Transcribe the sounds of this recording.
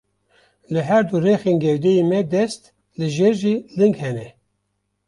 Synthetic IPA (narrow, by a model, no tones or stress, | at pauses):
lɨɦɛɾd̪urexeːnɡɛwd̪ejemɛd̪ɛst̪ | lɨʒeɾʒilɨŋɡhɛnɛ